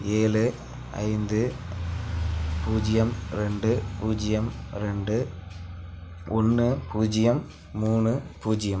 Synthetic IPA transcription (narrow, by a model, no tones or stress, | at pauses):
eːlɯ | ɐ̰ɪnd̪ɯ | puːd͡ʒɪjɐmɾɛɳɖɯpuːd͡ʒɪjɐmɾɛɳɖɯ | ʔɔnːɯpuːd͡ʒɪjɐmː | uːɳɯpuːd͡ʒɪjɐm